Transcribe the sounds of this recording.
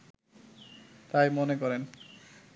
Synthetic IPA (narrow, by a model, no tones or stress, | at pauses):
t̪ajmonekɔɾen